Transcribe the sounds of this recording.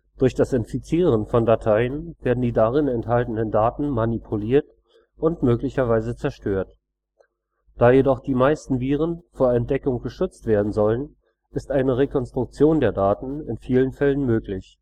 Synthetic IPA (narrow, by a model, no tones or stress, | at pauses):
d̥ʊɐçd̥asɪnfit͡siːʁənfɔndatʰaɪənv̥eːɐdn̩diːdaʁɪnɛnthaltən̩əndaːtn̩manipʰuliːɐt | ʔʊntmøːklɪçɐvaɪzət͡sɛɐʃtøːɐt | d̥aːjedɔχd̥iːmaɪstn̩viːʁ̞ənfoːɐɛnt̚d̥ɛkʊŋɡ̥əʃʏt͡stv̥eːɐdn̩zɔlən | ɪstʔaɪnəʁekʰɔnstʁ̥ʊk̚t͡sjoːndeːɐdaːtn̩ɪnfiːlənfɛlənmøːklɪç